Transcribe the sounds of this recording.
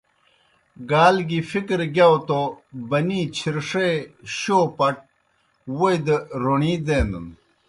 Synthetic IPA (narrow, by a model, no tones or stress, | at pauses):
ɡaːlɡifikɾɡawt̪obɐnit͡ɕʰiɾʂeɕoːpɐʈ̚ | wojd̪əɾoɳiːd̪eːnd̪ṵn